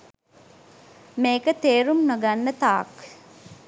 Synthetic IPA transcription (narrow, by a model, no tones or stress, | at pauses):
meːkət̪eːɾumnoɡanːət̪a̰ːk